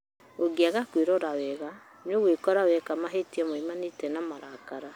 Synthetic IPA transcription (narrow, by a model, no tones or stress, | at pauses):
oɡiaɣakweɾɔɾawɛɣa | noɣwekɔɾawɛkamaɦetiɛmoimanitɛnamaɾakaɾa